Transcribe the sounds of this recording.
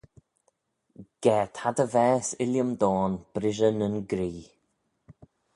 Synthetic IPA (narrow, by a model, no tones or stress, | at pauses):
ɡ̥ɛːt̪ʰhad̪əvɛːsɪljəmd̪ɔːnb̥ɾɪʒənənɡɾiː